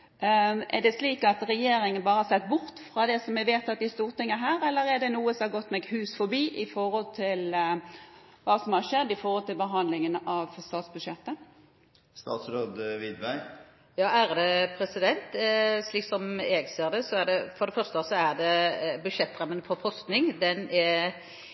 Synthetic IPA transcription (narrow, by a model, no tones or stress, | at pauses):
ʔɛɖ̪ɛsliːkɑt̪ɾɛjeːɾɪŋənbɑːɾəhɑsɛt̪ːbʊɾt̪fɾɑd̪ɛsɔmɛʋeːt̪ɑt̪̚d̪ɪst̪uːɾt̪ɪŋːənəɦæːɾɛlːəɾɛɖ̪ɛnuːəsɔmhɑɾɡɔt̪ːmɛɡhʉːsfɔbiːʔɪfɔɾɔlt̪ʰɪl | ʋɑːsɔmhɑɾʃɛd̪ːɪfɔɾhɔlt̪ɪlbəɦɑnd̪lɪŋənɑʋst̪ɑːt̪sbʉd̪ʃjɛt̪ːə | st̪ɑ̰ːt̪sɾoːd̪ʋɪd̪ʋæɪ | jɑːæɾd̪ɛpʰɾɛsɪd̪ɛnt̪sliːksɔmɛɡseːʁd̪ɛsɔæd̪ɛfɔɾd̪ɛfœɾst̪əsɔæɾd̪ɛbʉdʃɛt̪ːɾɑmːənfɔfɔst̪nɪŋd̪ɛnɛ